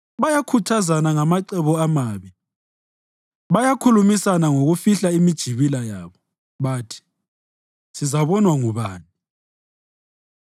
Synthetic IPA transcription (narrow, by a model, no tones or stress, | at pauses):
βajakʰutʰazanaŋamaǀɛβɔamaːβi | βajakʰulumisanaŋoɣufiɬaimid̥ʒ̥ʱiβilajaːβɔ | βaːtʰi̥ | sizaβɔnwaŋuβaːni